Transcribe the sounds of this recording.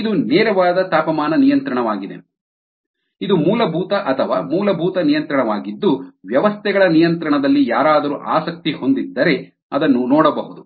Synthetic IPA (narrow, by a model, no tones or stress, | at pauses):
id̪unɛːɾɐʋaːd̪ɐt̪aːpɐmaːnɐnijɐnt̪ɾɐɳɐʋaːɡid̪e̞̰ | id̪umuːlɐbʱuːt̪ɐʔɐt̪ʰɐʋa̰ːmuːlɐbʱuːt̪ɐnijɐnt̪ɾɐɳɐʋaːɡid̪ːuʋjɐʋɐst̪ʰɛɡɐɭɐnijɐnt̪ɾɐɳɐd̪ɐlːijaːɾaːd̪ɐɾuʔaːsɐk̚t̪iho̞nd̪id̪ːɐɾe̞ | ɐd̪ɐnːunɔːɽɐbɐɦud̪u